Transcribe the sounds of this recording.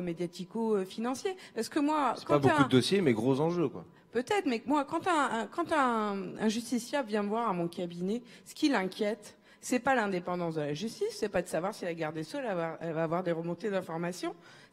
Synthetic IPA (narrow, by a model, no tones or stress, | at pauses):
med̪jat̪ikoøfinɑ̃sjepaʁsə̥kəmwasɛkɑ̃abokud̪əd̪ɔsjemɛɡʁozɑ̃ʒøkwa̰ | pøt̪ɛt̪χmɛmwakɑ̃t̪ɛ̃kɑ̃t̪ɛ̃ɛ̃ʒyst̪isjavjɛ̃əvwaʁamɔ̃kʲabinɛ | sə̥kʲilɛ̃kʲjɛt̪ | sɛpalɛ̃d̪epɑ̃d̪ɑ̃s̬d̪əlaʒyst̪isːɛpad̪əsavwaʁsilaɡaʁd̪esɔlavwaʁɛlvaːvwaʁd̪eʁəmɔ̃t̪ed̪ɛ̃fɔʁmasjɔ̃